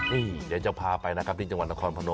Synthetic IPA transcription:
ʔiː˧˩jaː˨˦˩t͡ɕa˨˩pʰaː˧pa˧jna˦˥kʰa˦˥pt̪ʰi˥˩t͡ɕa˧ŋwa˩t̪̚na˦˥kʰɔː˧npʰa˧no˧

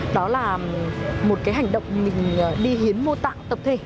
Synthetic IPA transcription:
ɗɔ˨˦laː˨˩ | mo˨˩t̚kaː˨˦jɦa˨˩jŋ̟ɗə̰˧˨wŋ͡mmï˨˩ŋ̟ː˨˩ɗi˧ɦi˨˦ənmo˧t̪a̰ː˧˨ŋt̪ə˨˩p̚t̪ʰe˧˩

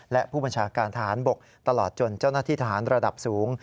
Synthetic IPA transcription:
lɛ˦˥ʔpʰuː˥˩ba˧nt͡ɕʰaː˧kaː˧nt̪ʰa˦˧ɦaː˩˦nbo˨˩k̚ | t̪a˧lɔː˨˩t̪̚t͡ɕo˧˩nt͡ɕa˥˩wnaː˥˩t̪ʰiː˥˩t̪ʰa˦ɦaː˩˦nɾa˧da˨˩p̚suː˩˦ŋ

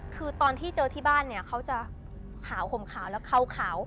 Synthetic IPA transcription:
kʰɯː˧t̪ɔː˧nt̪ʰiː˥˩t͡ɕɤː˧t̪ʰiː˥˩baː˥˩nːi˥˩ɐkʰa˦˥wt͡ɕa˨˩ | kʰaː˩˦who˨˩˦mkʰaː˩˦wlɛː˦˥wkʰa˧˩wkʰaː˩˦w

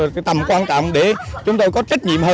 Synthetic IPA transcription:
t̪ə˨˩mkwaː˧nt͡ɕɔ̰˧˨wŋ͡mɗe˧˩t͡ɕʊ˨˦ŋ͡mt̪o˧jkɔ˨˦t͡ɕa˦˥k̟̚ɲḭ˧˨əmhəː˧

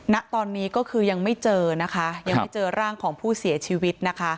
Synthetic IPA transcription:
na˦˥ʔt̪ɔː˧nːiː˦˥kɔː˥˩kʰɯː˧ja˧ŋma˥˩jt͡ɕɤː˧na˦˥kʰa˦˥jaa˧ŋ˦˥˩jt͡ɕɤː˧ɾaː˥˩ŋkʰɔː˩˦ŋpʰuː˥˩si˨˩˦ɐt͡ɕʰiː˧wi˦˥t̪̚na˦˥kʰa˦˥

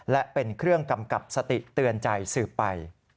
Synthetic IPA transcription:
lɛ˦˥ʔpe˧nkʰɾɯ˥˩əŋka˧mka˨˩p̚sa˧t̪i˨˩t̪ɯ˧ənt͡ɕa˧jsɯː˨˩pːa˧j

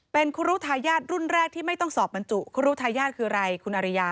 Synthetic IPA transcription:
pe˧nkʰu˦˧˥ɾuː˦˥t̪ʰaː˧jaː˥˩t̪̚ɾu˥˩nɾɛː˥˩k̚t̪ʰiː˥˩ma˥˩jt̪ɔ˥˩ŋsɔː˨˩p̚a˧nt͡ɕu˨˩kʰu˦˥ɾuː˦˥t̪ʰaː˧jaː˥˩t̪̚kʰɯː˧ɾa˧jkʰu˧nʔa˧ɾi˧jaː˧

